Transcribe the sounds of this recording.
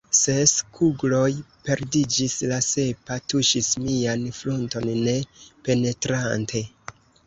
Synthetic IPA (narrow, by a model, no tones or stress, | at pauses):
seskʰuɡlo̞jpe̞ɾdid͡ʒislase̞patuʃismianflunto̞nːe̞pe̞ne̞tɾantʰe̞